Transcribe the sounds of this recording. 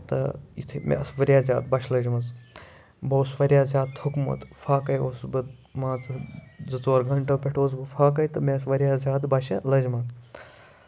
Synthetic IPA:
t̪ɐ̰ḭt̪ʰimʲʔḛʔɐ̰sʋɐɾʲjaːzʲa̰ːd̪̚bɐʃʰlɐd͡ʒmɐt͡s | boːsʋɐɾʲjaːzʲaːd̪̚t̪ʰokmɐ̰t̪fʰaːkɐjoːsbɨd̪maːt͡sɨzɨt͡soːɾɡʱɐɳʈɐpʲeʈʰoːs̬bɨfʰaːkɐjt̪ɐmeɐs̬ʋɐɾʲjaːzʲaːd̪bɐʃɐlɐd͡ʒmɐt̪

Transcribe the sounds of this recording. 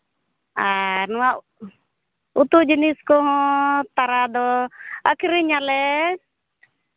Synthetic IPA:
aɾnɔwaʔ | ut̪ud͡ʒiniskɔɦɔ̃t̪aɾad̪ɔəkʰiɾiɲalɛ

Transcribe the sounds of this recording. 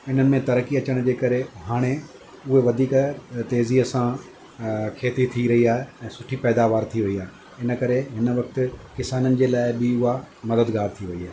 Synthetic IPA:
ɪn̤ənɪ̆mẽt̪ɐɾəkiɐt͡ɕəɽ̃d͡ʑeːkɐɾeɦaːɽ̃e | ʊɦeʋɐd̪ʱiːkt̪eːziəsã | kʰeːt̪it̪ʰiɾɐɦiaːɦeɛ̃ːsʊʈʰipɛːd̪aːʋaːɾt̪ʰiʋɐiaːɦe | ɪnə̆kɐɾeɦɪnə̆ʋɐk̚t̪ɪ̆kɪsaːnənɪ̆d͡ʑeːlaːɪbɪʊɦamɐd̪əd̪ɡaːɾt̪ʰiʋɐiaːe

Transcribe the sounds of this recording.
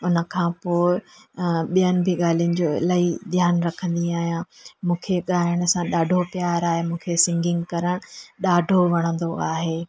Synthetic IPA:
ʊnə̆kʰãpoːɪ | ɓijənɪ̆bʱɪɠaːl̤ijʊnɪ̆d͡ʑoːlaːid̪ʱjaːnɾɐkʰə̃nd̪iaːɦijãmũːkʰeɠaːəɽ̃ʊsãɗaːɖʱopijaːɾaːɦemũːkʰesɪ̃ŋɡɪ̃ŋɡkɐɾəɽ̃ɗaːɖʱoʋɐɽ̃ə̃nd̪oaːɦeː

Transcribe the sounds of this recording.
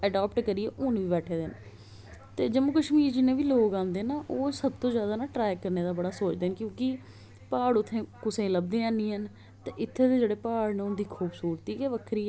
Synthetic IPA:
əɖaːpʈkəɾieːʔʊnʋiːbɛːʈʰeːd̪ɪn | t̪eːd͡ʒəmuːkəʃmiːɾd͡ʒɪnẽːʋiːloːkãːnd̪eːnaːʔoːsəbt̪õːzjaːd̪aːnaːʈɾaːjkəɾneːd̪aːbəɽaːsoːt͡ʃd̪eːnkjõːkɪ | paːɽʊt̪ʰːẽːkʊsẽːləb̚d̪ẽːãːnĩːən | t̪eːʔɪt̪ʰːeːd̪eːd͡ʒeːɽeːpaːɽneʊnd̪iːkʰuːbsuːɾt̪iːkeːʋəkʰɾiː

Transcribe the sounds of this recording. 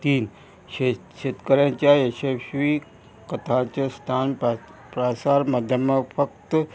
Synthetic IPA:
t̪iːn | e | ɕet̪kəɾjãt͡ɕjaesesʋi | kət̪ʰãt͡ɕast̪ʰaːn | pɾaːsaːɾmad̪ʱjəməfək̚t̪

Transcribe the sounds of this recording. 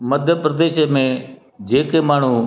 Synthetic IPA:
məd̪ʱjəpɾəd̪eːʃmẽː | d͡ʒeːkeːmaːɳ̤uː

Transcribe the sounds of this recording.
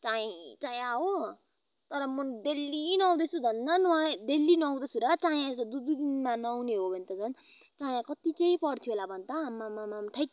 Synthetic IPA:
t͡saĩt͡saĩaɦo | t̪ʌɾʌmʌd̪elːinʌw̃d̪et͡sʰubʱʌnd̪anwãd̪elːinʌw̃d̪ʌt͡sʰuɾʌt͡saj̃ãest̪od̪ud̪ud̪inmanʌwneɦobʱʌnt̪ʌt͡sʰʌnt͡saj̃ãkʌt̪it͡sʌĩpʌrt̪ʰjoɦolabʱʌnt̪ʌɦamːamamamʈʰʌj

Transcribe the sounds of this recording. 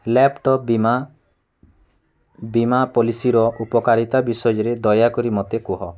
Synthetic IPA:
lɛpʈɔp̚bima | bimapɔlisiɾɔʔupɔkaɾit̪abisɔjɔɾed̪ɔjakɔɾimɔt̪ekuɦɔ

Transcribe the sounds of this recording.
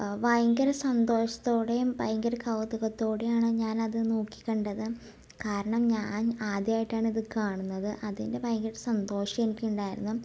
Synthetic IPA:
ʋɐjŋɡɐɾɐsɐnd̪o̞ːʂɐ̥t̪ːo̞ːɽe̞mʋɐjŋɡɐɾɐkɐwt̪ɐɣɐt̪ːo̞ːɽejaːɳɨɲaːnɐðɨnoːkːi̥kʲːɐɳɖɐðɨ | kaːɾɐɳɐmɲaːnaːd̪jaːjiʈːaːɳiðɨkaːɳunːɐðɨʔɐðinde̞ʋɐjŋɡɐɾɐsɐnd̪o̞ːʂɐme̞nikʲːuɳɖaːjiɾṵnːu

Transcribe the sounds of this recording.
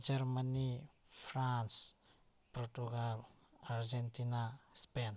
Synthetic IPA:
d͡ʒaɾmani | fɾans | pɾɔtuɡal | aɾd͡ʒentinaspen

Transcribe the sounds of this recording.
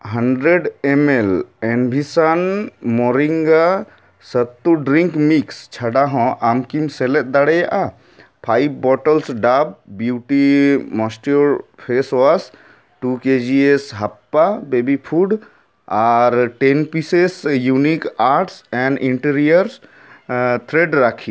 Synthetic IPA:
ɦəɳɖɾeɖemelenbʱisanmɔɾiŋɡa | sət̪ːuɖɾĩŋkmikst͡ʃʰaɖaɦɔ̃ʔamkimselet̪̚d̪aɽɛjaʔa | pʰajbbɔʈəlsɖabbjuʈimɔsʈjoɾpʰeswas | ʈuked͡ʒiesɦəpːabebipʰuɖ | aɾʈenpisesjunikaɾʈsɛ̃ɳɖiɳʈiɾijəɾs | t̪ʰɾeɖɾakʰi

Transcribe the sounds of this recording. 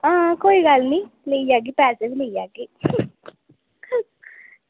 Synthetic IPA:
ãːkoːiɡalnĩːleid͡ʒaːɡiːpɛːsebileijaːɡiː

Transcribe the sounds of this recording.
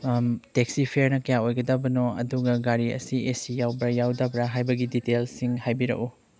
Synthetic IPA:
tek̚sipʰeɾnɐkɐjaojɡɐdɐbɐnoɐ̰duɡɐɡaɾiɐ̰siesijawbɾɐjawdɐbɾaɦajbɐɡiditelsiŋhajbiɾɐ̰ʔu

